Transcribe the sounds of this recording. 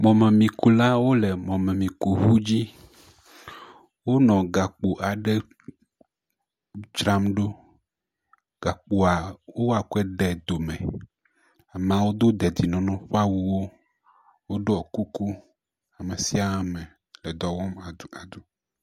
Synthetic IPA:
mɔ̃˨mẽ˨mĩ˨ku˨la˦wo˦le˨mɔ̃˨mẽ˨mĩ˨ku˨ɦu˦d͡ʑi˦ | wo˦nɔ̃˨ɡa˨k͡po˨ʔa˨ɖe˦ | d͡ʒɾa˦mɖo˦ | ɡ̥a˨k͡po˨a˨wo˦wa˨ku˦ɛ˦ɖɛ˨d̪o˨mḛ̃˨ | a˨m̃˨ã˨wo˦d̪o˦d̪ɛ˨d̪i˨nɔ̃˨nɔ̃˦ɸa˦wu˨wo˦ | wo˦ɖo˦ɔ˨ku˦ku˦ | a˨me˨si˦a˨a˦mẽ˨ | le˨d̪ɔ˨wɔ˦m˨a˨d̪u˨

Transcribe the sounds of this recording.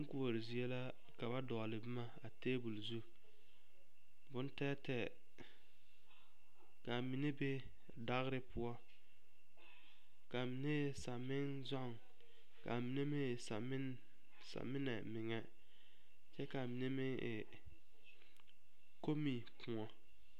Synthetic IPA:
ɪ˦ŋ˦ku˦o˨ɾɪ˨zi˨ɛ˦la˦ | ka˨ba˦dɔː˨lɪ˨bɪ˦ma˦a˨teː˦bu˨lzu˦ | bʊ˦ntɛː˦tɛ˨ | ka˨mi˨ne˦be˦ | da˦ɣɾɪ˦pʊ˦ɔ˦ | ka˨mɪ˨ne˦˨sa˨mɪ˦ŋ | zɔ˦ŋ | ka̰˨mi˨ne˦mɪ˦˨sa˨mɪ˦ | sa̰˨mɪ˦nɛ˨mɪ˨ŋɛ˦ | t͡ʃɛ˦ka˨mi˨ne˦mɪ˦˨ | ko˦mi˨ | kʰʊ̃˨ɔ˦

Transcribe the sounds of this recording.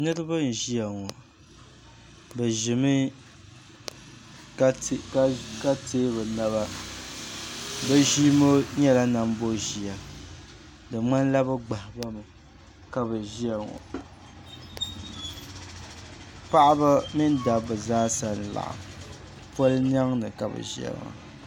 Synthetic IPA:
nɨ˦ɾɨ˦bɨ˦n̩˨ʒi˦a˨ŋɔ˨ | bɛ˨ʒɪ˨mɨ˦˨ | kka˦teː˦bɨ˨na˦βa˦ | bɛ˦ʒiː˦mo˦ɲɛ˦la˦na˨m˦bo˦ʒi˨a˨ | dɨ˨ŋ͡ma˦n˦la˦bɨ˦ɡ͡ba˨hba˦mɨ˨ | ka˦bɨ˨ʒi˦ɛ˨ŋo̰˨ | pa˦ʔa˦ba˦mi˦n˦da˨bɨ˨zaː˦sa˨n˨la̰˨ʔa̰˨ | po˦ln˦a˦ŋnɨ˨ka˨bɨ̰˨ʒi˦ɛ̰˨l̰ŋa̰˨

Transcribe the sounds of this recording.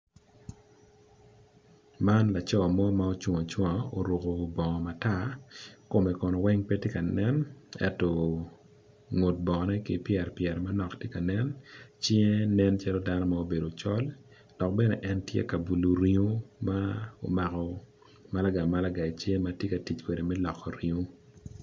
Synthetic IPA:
ma˦nla˨t͡ʃɔ˦˨mɔ˦mao˦t͡ʃu˨ŋɔ˨t͡ʃwɔ˦o˨ɾo˨ko˨bɔ˨ŋɔ˨ma˨ta˦˨ko˨mɛ˨kɔ˨nɔ˨wɛ˦ŋpe˦ti˦ka˨nɛ˦nɛ̰˦tɔ˨ | ŋo˨t̚bɔ˨nɛ˦kɪ˦pjɛ˨ɾpjɛ˨ɾma˦nɔ˨ktje˦ka˨nɛ˦nt͡ʃje˦nɛ˦nt͡ʃa˦lɔ˦da˦nɔ˦ma˦o˦be˨do˨t͡ʃɔ˦l | d̥ɔ˨k̚bɛ˦nɛ˨ʔɛ˦ntjḛ˦ka˨bu˨lo˨ɾi˦o˦mao̰˨ma˨kɔ˨ | ma˦la˦ɡa˨ma˦la˦ɡa˨i˨t͡ʃje˦ma˦tje˦ka˨ti˨t͡ʃkwe˨de˨mɛ˦lɔ˨kːɔ˨ɾi˨o˦

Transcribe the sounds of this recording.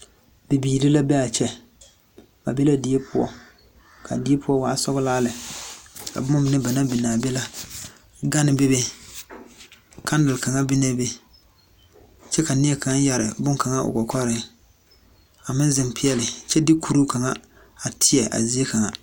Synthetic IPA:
bɪ˨biː˨ɾɪ˦la˦bɛ˦a˨t͡ʃɛ˦ | ba˨be˦la˦di˨˦e˦pʊ˦ɔ̰˦ | kʰa̰˨dɪ˦e˦pʰʊ˦ɔ˦waː˨˦sɔ˦ɣʊ˦laː˦lɪ˨ | ka̰˨bʊ˦mʊ˦m˨nɪ˦ba˨na˦bɪ˨naː˨bɛ˦la˦ | ɡa˦nɪ˨be˦be˦ | kʰa˦n˦dɪ˨lka˨ŋa˦bɪ˦na˦be˦ | t͡ʃɛ˦ka˨nɪ˦ɛ˦ka˨˦n˦ja˨ɾɪ̰˨bʊ˦ŋka˨ŋa˦ʔʊ̰˨kɔ˨kʰɔ˦ɾɪ˨ | a˨mɪ˦n˦zɪ˨mpɪ˦ɛ˦lɪ˨t͡ʃɛ˦dɪ˦kʰu˨ɾu˦ka˨ŋa˦ | a˨tʰɪ˦jɛ˨ʔa̰˨zi˦e˦ka˨ŋa˦

